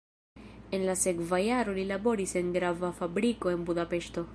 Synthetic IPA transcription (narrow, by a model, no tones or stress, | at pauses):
enlasekvajaɾolilabo̞ɾiseŋɡɾavafabɾikoe̞nbud̪apeʃt̪o̞